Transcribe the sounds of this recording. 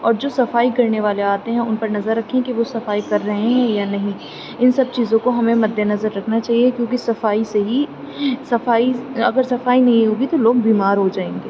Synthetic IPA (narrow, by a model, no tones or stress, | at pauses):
ɔːɾd͡ʒoːsɐfaːikɐɾneʋaːleaːt̪eɦɛ̃ʊnpɐɾnɐzəɾːɐkʰːẽkiʋosɐfaːikɐɾːɐɦeɦɛ̃janɐɦĩ | ɪnsɐb̚t͡ʃiːzõkoɦɐmẽmɐd̪ʱjenɐzəɾːɐkʰnat͡ʃaːɦiekjõːk̬isɐfaːiseɦi | sɐfaːiɐ̰ɡəɾsɐfaːinɐɦĩɦuɡit̪oloːɡ̚biːmaːɾɦod͡ʒaːẽːŋɡeː